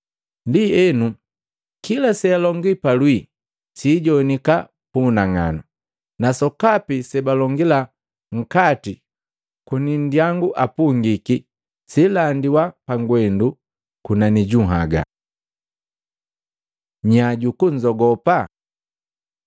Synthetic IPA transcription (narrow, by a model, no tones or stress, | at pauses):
ndiɛnu | kilasɛalɔŋɡipalwi | siːɟɔnika | punaŋa̰na | nasɔkapisɛbalɔŋɡila | ŋ̩kati | kunin̩djaŋɡuʔapuŋɡiki | silandiwapaŋɡwɛndu | kunaniɟuɦa̰ɡa̰ | ɲaɟukuɲd͡ʒɔɡɔpa